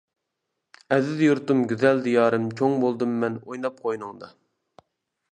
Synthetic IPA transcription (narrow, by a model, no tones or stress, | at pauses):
ɛzɪd̪juɾt̪umɡʲyzɛld̪ijɑːɾɨmt͡ʃʰoŋbolˠd̪ɨmːɛnojnɑp̚qʰojnɨŋd̪ɑ